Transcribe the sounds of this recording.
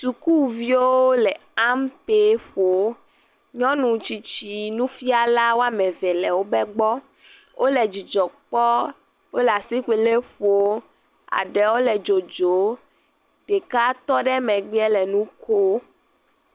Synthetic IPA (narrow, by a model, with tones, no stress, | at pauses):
su˨ku˦˨vi˦wo˦wo˦lɛ˨ | a˦mpe˦ɸo˨˦ | ɲɔ̃˦nũ˨t͡ɕi˨t͡ɕi˨nũ˦fi˦a˨la˦wo˦a˦mɛ̃˨vɛ˨lɛ˨wo˦bɛ˦ɡ͡bɔ˦ | wʔo˦lɛ˨d͡ʑi˨d͡ʒɔ˨k͡pɔ˦ | wo˦lɛ˨a˨si˦ɸe˨le˦ɸo˦ | a̰˨ɖɛ˨wo˦lɛ˨d͡ʒo˨d͡ʒo˨˦ | t̪e˨ka˦t̪ɔ˦ɖɛ˦mɛ˨ɡ͡bi˦ɛ˦lɛ˨nũ˦kʰo˦